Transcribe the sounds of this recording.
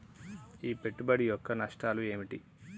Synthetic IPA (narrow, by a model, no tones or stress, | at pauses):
iːpe̞ʈːubɐɽijɔkːɐnɐʂʈaːlue̞ːmiʈi